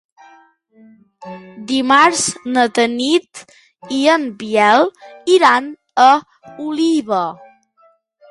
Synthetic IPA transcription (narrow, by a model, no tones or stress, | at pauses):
d̪imaɾznət̪ənit̪ | iəmbiɛlˠiɾan | ə | uliβə